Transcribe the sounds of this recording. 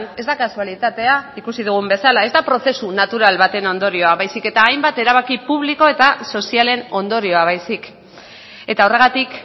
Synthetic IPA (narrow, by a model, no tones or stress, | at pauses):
ne̞zd̪akasualit̪at̪e̞aikusið̞uɣ̞umbe̞salae̞zd̪apɾo̞θe̞sunat̪uɾalβat̪e̞no̞nd̪o̞ɾio̞aβajsike̞t̪aːjmbat̪e̞ɾaβ̞akipuβ̞liko̞e̞t̪aso̞siale̞no̞nd̪o̞ɾio̞aβ̞ajsik | e̞t̪aore̞ɣat̪ik